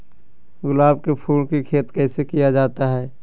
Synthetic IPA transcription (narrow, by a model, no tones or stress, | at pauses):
ɡʊlaːbkepʰuːlkikʰeːt̪kɛːsekijad͡ʒaːt̪aɦɛː